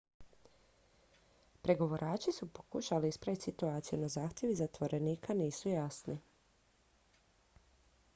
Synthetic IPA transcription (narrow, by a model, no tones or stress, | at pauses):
pɾe̞ɡo̞ʋoɾʔaːt͡ʃisupokuʃaliispɾaʋit̪ʲsit̪uaːt̪sijunazaːxt̪ʲjeʋizat̪ʋo̞ɾe̞niːkʰaniːsujasni